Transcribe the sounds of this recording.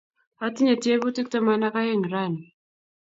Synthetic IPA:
a˦ti˦ɲe˨tje˦βu˦ti˦k̚ta˦ma˨na˦ka˦jɛ˦˨ŋ˨ɾa˦˨ni˨

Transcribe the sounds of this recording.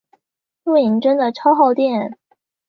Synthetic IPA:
lu˥˩i˧˥ŋʈ͡ʂə˥ŋd̪ə˨ʈ͡ʂʰɑ˥ʊxɑ˥˧ʊt̪jɛ˥˩n

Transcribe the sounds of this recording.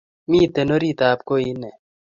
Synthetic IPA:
miː˦t̪e˨no˦ɾi˦t̪aː˨˦pko˦i˦nɛ˨

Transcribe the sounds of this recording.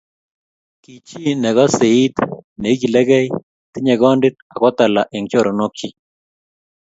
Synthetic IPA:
ki˨t͡ʃi˦nɛ˨ɣɔ˦se˨i˦t̪nɛ˨i˦ɡi˨lɛ˦ɣɛ˦j | t̪i˦ɲɛ˨ɣɔ˦ndɪ˦t̪̚a˨kɔ˦t̪a˨la˨ʔe˨ŋt͡ʃɔ˦ɾɔ˨nɔ˦ki˦

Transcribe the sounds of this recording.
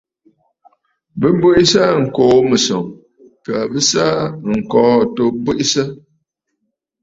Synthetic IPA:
bɨ˦bi˦ʔi˦sa˦ŋ̩˨kɔː˨mə˨sɔ˨ŋ | ka˨bɨ˦sa˦˨ŋ̩˨kɔː˦˨to˦bwi˦ʔi˦sə˦

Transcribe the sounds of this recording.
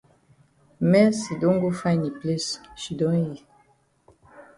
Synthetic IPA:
mɛ˦si˨dõ˦ŋɡo˦fa˦ni˨ple˦sʃi˨dɔ̃˦i˨

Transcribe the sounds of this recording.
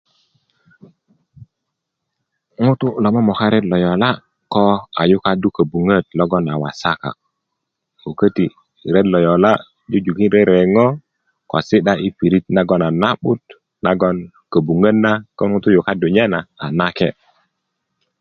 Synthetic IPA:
ŋu˦tu˦lɔ˨mɔ˦mɔ˨ka˦ɾɛ˦tlo˨jɔ˨la˦ | ko˦a˨ju˦ka˦du˦kə˨bu˨ŋə˦˨t̚lɔ˦ɡɔ˦na˨wa̰˨sa˦ka̰˨ | o˨kə˦ti˨ | ɾe˦tlɔ˨jɔ˨la˦ | ju˦d͡ʒu˨ɡi˦nɾɛ˦ɾe˨ŋo˦ | ko̰˨si˦ɗa˦ʔi˦pi˨ɾi˦t̚na˦ɡɔ˦na˨na˦ɓu˦t | na˦ɡɔ˦n | kə˨bu˨ŋə˦nːa˦ko˦ŋu˦tu˦ju˨ka˦du˨ɲe˦naː˨na˦kɛ˦

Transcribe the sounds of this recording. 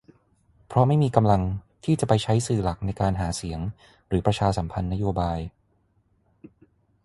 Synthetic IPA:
pʰɾɔ˦˥ma˥˩jmiː˧ka˧mla˧ŋt̪ʰiː˥˩t͡ɕa˨˩pa˧jt͡ɕʰa˦˥jsɯː˧˩la˨˩k̚na˧jkaː˧nɦaː˩˦si˩˦əŋ | ɾɯː˩˦pɾa˧t͡ɕʰaː˧sa˩˦mpʰa˧nːa˦˥joː˧baː˧j

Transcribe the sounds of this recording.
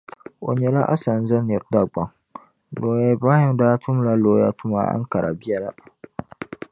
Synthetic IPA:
ʔo̰˨ɲɛ˨la˦ʔa˦sa˨n˦za˦njɛ˨ʔ̚da˦ɡ͡ba˨ŋ | lo˨ja˦i˨bɾaː˦hɪ˨mda˦tʰʊ˦m˦la˦loː˦ja̰˦tʊ˦ma̰˦ʔa̰˦ŋka˨ɾʔa̰˨bi˦ja˦ɾa˦

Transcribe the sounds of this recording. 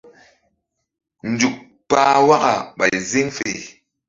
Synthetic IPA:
n̩˨d͡ʒu˨k̚ | k͡pa˦wa˦ka̰˨ɓa˨jzi˦ŋfe˨

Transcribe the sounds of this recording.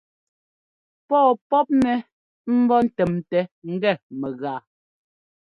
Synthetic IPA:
pɔː˦˨pɔ˦p̚nɛ˨ | m̩˦bɔ˦n̩˦tɛ˨mtɛ˨ŋ̩˦ɡɛ˦˨mɛ˨ɣaː˨

